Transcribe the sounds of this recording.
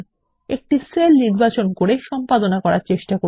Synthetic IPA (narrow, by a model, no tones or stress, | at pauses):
ek̚ʈiselniɾbat͡ɕonkoɾeʃɔmpad̪onakɔɾaɾt͡ɕeʃʈako